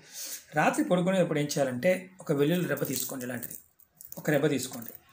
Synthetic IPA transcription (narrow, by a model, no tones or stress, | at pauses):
ɾaːt̪ɾipoɽuk̬unepːuɽeːɲt͡ʃɛjaːlɐɳʈe̞ːɔkɐʋeɭjuluɾɛbːɐt̪iːsu̥koɳɖilaːɳʈid̪i | ɔkɐɾɛbʱːɐt̪iːsu̥ko̞ːɳɖi